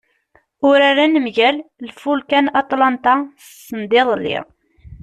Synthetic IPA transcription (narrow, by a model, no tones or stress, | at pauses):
ʊɾaɾænəmʝællfulkænɑt̪ˤlɑnt̪ɑssənd̪eðˤlːḭʁ